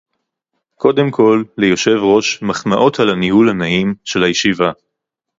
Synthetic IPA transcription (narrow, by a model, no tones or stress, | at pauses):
ko̞de̞mkʰo̞lːejo̞ʃe̞vʁo̞ʃmaχmaʔo̞talanihulhanaimʃe̞lhajeʃiva